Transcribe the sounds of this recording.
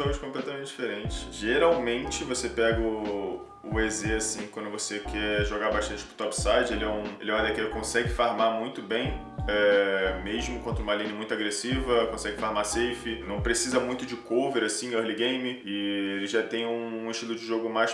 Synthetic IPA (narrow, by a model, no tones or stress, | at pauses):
õɐʃkõplɛt̪ɐmẽnt͡ʃɪd͡ʒifeɾẽt͡ʃɪ̥ʃʒ̥eɾawmẽnt͡ʃɪvosepɛɡɐʊ | ʊezeasĩkwɐ̃nd̪ʊvosekʰɛʒoɡabaʃt̪ɐ̃nt͡ʃɪ̥pɾʊ̥t̪ɔpsajd͡ʒɪelɪɛũelɪɛ̃w̃ad̪ekɛkõsɛɡɪfaɾmamũj̃t̪ʊbẽj̃ | ɛmeʒmʊkwɐ̃nt̪ɾũmalĩnɪmũj̃t̪ʊaɡɾesivɐkõsɛɡɪfaɾmasejfɪnɐ̃w̃pɾesizɐmũj̃t̪ʊd͡ʒɪkoveɾasĩɐɾliɡẽj̃mɪɪelɪʒat̪ẽj̃ũːiʃt͡ʃilˠʊd͡ʒɪʒoɡʊmajʃ